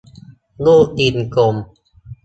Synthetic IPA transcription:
luː˥˩k̚d̪i˧˩nko˧m

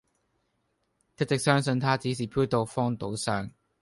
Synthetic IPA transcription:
t̪ʰɪ˥t̪ɪ˨k̚sœː˥ŋsɵ˧nt̪ʰaː˥t͡si˨˥s̬iː˨˩pʰu˥t̪o˧wfɔː˥ŋt̪o˨˧˥wsaː˥˩ŋ

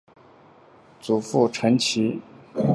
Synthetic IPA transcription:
t͡su˨˩fu˥˩ʈ͡ʂʰə˧˥ŋt͡ɕʰi˧˥

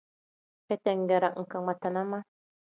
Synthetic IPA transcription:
ke˦t̪ɛ˨ŋɡɛ˨ɾa˨ʔŋ̩˨ka˨ŋma˨t̪a˨na˦ma˦

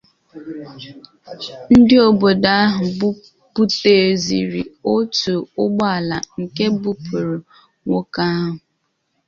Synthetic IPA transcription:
n̩˦dɪ˦o˨bo˨da˦a˦ɦʊ˨bu˦ | pu˦te˨zḭ˨ɾḭ˨o˦tu˨ʊ˦ɡ͡bɔ˦a˨la˨ŋ̩˨ke˦bu˦pʰu˨ɾʊ˨ | ŋʷo˦ka˦a˦ɦʊ˨

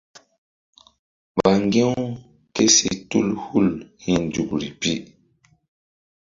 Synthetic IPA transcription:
ɓa˨ŋɡe˦w | ke˦si˨tu˦lhu˦lhi˨nd͡ʒu˨kɾi˨pi˦

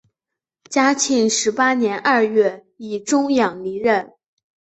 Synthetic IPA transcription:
t͡ɕja˥t͡ɕʰi˧˥ŋʂɻ̩˧˥pa˥njɛ˧˥nʔɐ˥˧ɥɛ˥˩ | i˨˩ʈ͡ʂʊ˥ŋjɑ˨˩ŋli˧˥ɻə˥˩n

